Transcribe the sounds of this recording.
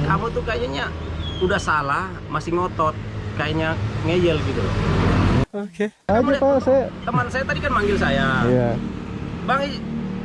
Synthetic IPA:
apət̪ukajaɲaɲa | udahsalahmasɪŋɔt̪ɔt̪̚kajaɲaŋɛd͡ʒɛlɡit̪u | oke | ad͡ʒapasajat̪əmansajat̪adikanmaŋɡɪlsajaja | baŋi

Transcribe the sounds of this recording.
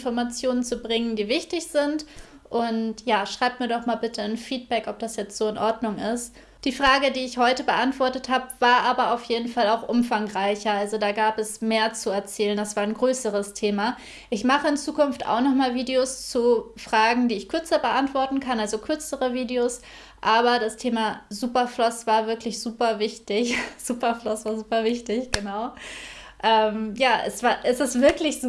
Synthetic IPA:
nfɔɐmat͡sjoːnənt͡subʁɪŋəndiːvɪçtɪçz̥ɪnt | ʔʊntjaːʃʁ̥aɪp̚miːɐdɔχmaːlbɪtʰənfiːt̚b̥ɛkɔp̚d̥asjɛt͡stz̥oːɪnʔɔɐdnʊŋɪst | d̥iːfʁ̥aːɡədiːɪçhɔʏtəbəʔantv̥ɔɐtəthaːbəvaːɐʔaːbɐaʊfjeːdn̩falaʊxʔʊmfaŋʁaɪçɐʔalzodaːɡaːpɛsmeːɐt͡suɛɐt͡sɛːləndasv̥aːɐɪnɡʁøːsəʁ̞əstʰeːma | ʔɪçmaχəɪnt͡suːkʊnfta̰ʊxnɔχmaːlviːdeost͡sufʁ̥aːɡŋ̩diːɪçkʰʏɐt͡sɐbəʔantv̥ɔɐtn̩kʰanʔalzokʰʏɐt͡səʁəviːdeos | ʔaːbɐdastʰeːmazuːpɐflɔsv̥aːɐvɪɐklɪçz̥uːpɐvɪçtɪçz̥uːpɐflɔsv̥aːɐzuːpɐvɪçtɪçɡ̥ənaʊ | ʔɛːmjaːʔɛsv̥aːɐʔɛsɪstv̥ɪɐklɪç

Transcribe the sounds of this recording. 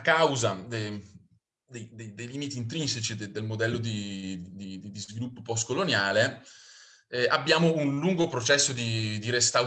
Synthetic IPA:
kawzad̪e | d̪ejd̪ejd̪ejliːmit̪iːnt̪̬ɾinset͡ʃid̪ed̪elmod̪ɛlːod̪id̪id̪id̪izvilupːopɔskolonjaːle | abːjaːmounluŋɡopɾot͡ʃɛsːod̪id̪iɾest̪a

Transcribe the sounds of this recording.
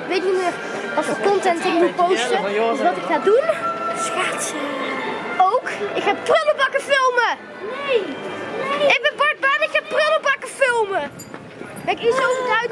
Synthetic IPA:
ʋejtimɪːr | ɔsfəkɔntɛntəɔməpowstəʋɑtɪkxaːdunsxats | owkɪkxaːprøləbɑkəfɪlˠmə | ɪɡ̚bɛnbɑɹt̚bɑnɪkxaːprøləbɑkəfɪlˠmə | kɛkisowvətaɥ

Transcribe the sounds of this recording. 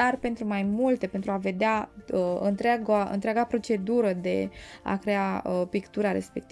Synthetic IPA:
arpe̞nt̪ɾumajmult̪e̞pent̪ɾuave̞d̪eaəɨ̰nt̪ɾeaɡaʔɨ̰nt̪ɾeaɡapɾo̞t͡ʃe̞d̪uɾəd̪e̞̰a̰kɾe̞apikt̪uɾaɾe̞̰spe̞kt̪i

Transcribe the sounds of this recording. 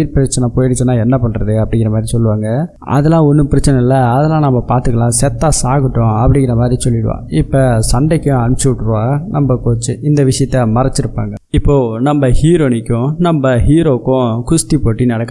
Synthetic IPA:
ɪɾpɪɾɐt͡ʃːɐnɐpoːjɪɽɪt͡ʃːɯnːãːɛnːɐpɐɳːɾɐðɯɐpːɐɽɪŋɡɪɾɐmaːd̪ɾisɔlːɯʋaːŋɡɐ | ɐ̰ðɐlãːɔnːɯpɪɾɐt͡ʃːɐnɐɪlːɐɐðɐlãːnɐmːɐpaːɾt̪ɯkːɐlãːsɛt̪ːaːsaːɣɯʈːʊ̃ɐpːɐɽɪŋɡɪɾɐmaːd̪ɾisɔlːɪɽɯʋã̰ːɪpːɐsɐɳɖɐkːʊ̃ɐnt͡ʃːɯʋɪʈːɯɾɯʋaːɐnɐmbɐkoːt͡ʃːɯɪnd̪ɐʋɪʂɐjɐt̪ːɐmɐɾɐt͡ʃːɪɾɯpːa̰ːŋɡɐɪpːoːnɐmbɐhiːɾoːnɪkːʊ̃nɐmbɐɦiːɾoːkːʊ̃kʊst̪ipoːʈːinɐɽɐkː

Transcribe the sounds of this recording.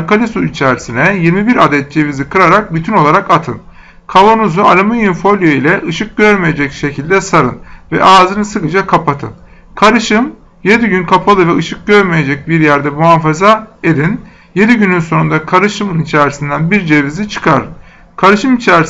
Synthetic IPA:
kalʲisuit͡ʃʰæɾisinɛjiɾmibiɾad̪ɛt̪̚d͡ʒe̞vizikʰɯɾaɾak̚byt̪ʰyno̞lˠaɾakat̪ʰɯ̰n | kʰavonuzualʲamɯjynfo̞lʲjeilʲɛʔɯʃɯk̚ɟøɾmeje̞d͡ʒɛcʃe̞cʰilʲd̪ɛsaɾɯ̰nvɛ̰ʔaːzɯnɯsɯkɯd͡ʒakʰapat̪ʰɯ̰n | kʰaɾɯʃɯm | je̞d̪iɟynkʰapʰalˠɯvɛɯʃɯk̚ɟø̞ɾmeje̞d͡ʒɛc̚biɾjæɾd̪ɛmuɦanfazaed̪in | je̞d̪iɟynynso̞nund̪akʰaɾɯʃɯmɯnit͡ʃʰæɾisind̪ænbiɾd͡ʒe̞vizit͡ʃʰɯ̥kʰaɾɯn | kʰaɾɯʃɯmit͡ʃʰæɾis

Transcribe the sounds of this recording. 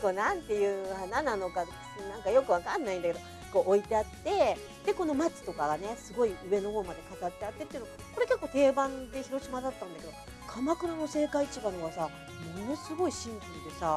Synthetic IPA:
ko̞ːnãnt̪e̞jɯ̟ːhananano̞ka | nãŋkajo̞kɯ̟βakanːaĩnd̪akeo | ko̞ʔoit̪e̞at̪ːe̞ | d̪̥e̞ko̞no̞mat͡sɨ̥t̪o̞kaɡane̞sɨɡo̞iɯ̟βe̞no̞ho̞ːmad̪e̞kat̪at̪ːe̞at̪ːe̞t̪ːeiɯ̟noɡ | ko̞ɾe̞ke̞kːoːt̪e̞ːbãnd̪e̞çiɾo̞ɕimad̪at̪ːãnd̪ake̞d̪o | kʰamakɯ̟ɾano̞se̞ːkait͡ɕiɡanoɡasa | mo̞no̞sɨɡo̞iɕĩŋpind̪e̞sa

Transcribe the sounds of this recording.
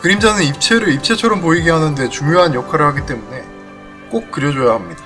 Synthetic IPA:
kɯɾimd͡ʑanɯnip̚t͡ɕʰe̞ɾɯɾip̚t͡ɕʰe̞t͡ɕʰʌɾʌmp̬oiɡeɦanɯnde̞t͡ɕuŋjoɦanjʌkʰaɾɯɭhaɡit͈e̞mune̞ | k͈ok̚k͈ɯɾjʌd͡ʑojaɦamɲid̥a

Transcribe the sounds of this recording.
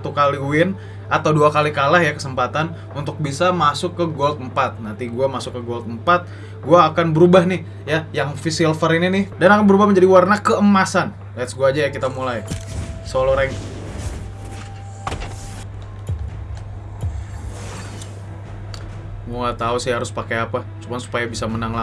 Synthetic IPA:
t̪ukaliuɪn | ʔat̪awduakalikalahjakə̥səmpat̪an | unt̪ʊk̚bisamasʊkːəɡolt̪̚əmpat̪̚nant̪iɡuamasʊkːəɡolt̪̚əmpat̪̚ | ɡuaːkanbəɾubahnɪh | jajaŋfisialfəɾininɪhdanakanbəɾubahməɲd͡ʒadiwarnakəəmasan | liat̪sɡuad͡ʒajakit̪amulajsoloɾɛŋ | mulat̪ausɪhaɾʊspakajapa | sumansu̥pajabisamənaŋla

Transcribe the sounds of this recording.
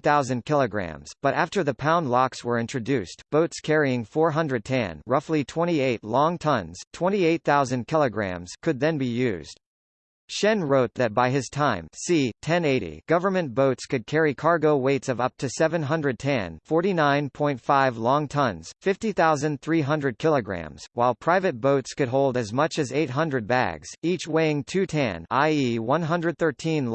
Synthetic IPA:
θaʊzɨ̃nkʰɪlˠəɡɹæ̰̃mz̥b̥ʌɾæftə˞ðɨpʰãʊ̃ndˡlɑkswə˞ɪ̃nt͡ʃɹ̥ɨdʉstb̥oʊtskʰɛɹiɪ̃ŋfɔɹɦʌ̃ndɹɨd̚tʰæ̰̃nɹʌflitʰw̥ɛ̃ɾ̃ieɪtˡlɔ̃ŋtʰʌ̃nz̥tʰw̥ɛ̃ɾ̃ieɪt̪̚θaʊzɨ̃nkʰɪlˠəɡɹæ̰̃mz̥kʰɨd̪̚ðɨ̃nbijʉ̰zd̥ | ʃɛ̃nɹoʊt̪̚ðɨt̚b̥aɪɨz̥tʰãɪ̃msitʰɛ̃neɪɾḭɡ̥ʌvə˞mɨ̃nb̥oʊtskɨd̚kʰɛɹikʰɑɹɡoʊweɪtsʌvʌp̚tʰɨsɛvɨ̃nɦʌ̃ndɹɨd̚tʰɛ̰̃nfɔɹɾinãɪ̃npʰɔ̃ɪ̃ntfaɪvlɔ̃ŋtʰʌ̃nz̥fɪftiθaʊzɨ̃nθɹiɦʌ̃ndɹɨd̚kʰɪlˠəɡɹæ̰̃mz̥waɪlˠpʰɹ̥aɪvɨt̚b̥oʊtskɨd̚ɦoʊlˠdɨzmʌt͡ʃɨzeɪt̚ɦʌ̃ndɹɨd̚bæ̰ɡz̥it͡ʃweɪɪ̃ŋtʰʉtʰɛ̰̃na̰ɪiwʌ̃nɦʌ̃ndɹɨd̪̚θɜ˞tʰĩnl

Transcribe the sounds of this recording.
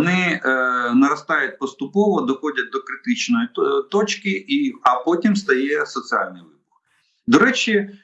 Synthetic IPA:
nɪ | nɐɾɐst̪ɑjʊt̚ʲpɔst̪ʊpɔʋɔd̪ɔxɔdʲɐt̚d̪ɔkɾɪt̪ɪt͡ʃnɔjit̪ɔt͡ʃkɪiɐpɔtʲimst̪ɐjɛsɔsɪɑ̰lʲnɪjʋɪbɔr | d̪ɔɾɛt͡ʃʲɪ

